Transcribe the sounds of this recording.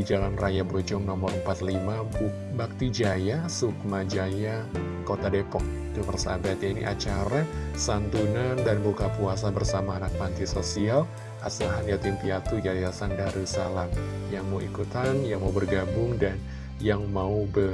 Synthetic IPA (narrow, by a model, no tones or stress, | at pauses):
id͡ʒalanrʔajabod͡ʒɔŋnɔmɔrəmpat̪limapu | bak̚t̪id͡ʒajasuk̚mad͡ʒaja | kot̪adepɔk̚ | t̪umərsa̰bat̪̚jainḭʔa̰t͡ʃaɾasant̪unandanbukapuas̬abərsamaːnak̚mant̪isosial | ʔasaɦanjat̪impiat̪ud͡ʒajasandaɾisa̰lanjaŋmauikut̪anjaŋmaubərɡabʊŋdan | jaŋmaubə